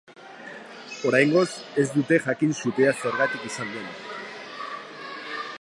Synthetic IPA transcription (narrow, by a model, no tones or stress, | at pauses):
o̞ɾajŋɡo̞se̞zd̪ut̪e̞ʝakinsut̪e̞ase̞ɾɣat̪ikisand̪uena